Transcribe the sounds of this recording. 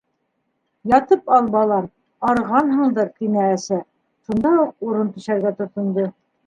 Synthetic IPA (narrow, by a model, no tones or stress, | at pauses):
jɑt̪ɤpɑlˠbɑlˠɑm | ɑɾʁɑnɦɤ̆ɴd̪ɤɾt̪inæːsæ | ʃund̪ɑuq̚uɾɤnt̪ɵ̆ʃæɾɡæt̪ŏɾt̪ŏnd̪ɤ